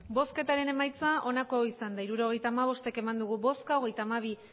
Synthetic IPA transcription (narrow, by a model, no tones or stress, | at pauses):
bo̞ske̞t̪aɾe̞ne̞majt͡saʔo̞nako̞isand̪aiɾuɾo̞ɣ̞e̞jt̪aːmaβ̞o̞st̪e̞ke̞mand̪uɣ̞uβo̞skao̞ɣ̞e̞jt̪aːmaβ̞i